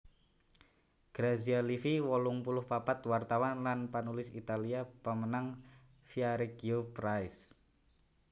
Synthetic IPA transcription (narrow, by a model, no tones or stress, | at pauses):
ɡ̥ɾazialifiwɔlʊŋpulʊhpapat̪wart̪awanlanpanulɪsit̪aliapamənaŋ | fiaɾeɡiopɾaɪs